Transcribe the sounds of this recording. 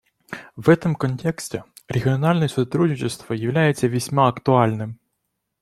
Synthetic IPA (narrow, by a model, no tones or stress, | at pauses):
ʋɛt̪ɪmkɔnʲtʲɛksʲtʲeɪ | ɾʲeɦʲiɔnɑlʲnɛsɔt̪ɾudʲnʲit͡ʃɪst̪ʋɔjɐwlʲajet͡sʲːɐʋʲisʲmɑɐkt̪ʊɑlʲnɪm